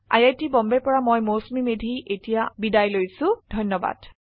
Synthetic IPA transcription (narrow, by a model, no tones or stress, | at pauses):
a̰jajtibɔmbɛpɔɹamojmosmimedʱiʔetijabidajlojsʊ̃dʱɔjnːɔba̰d̥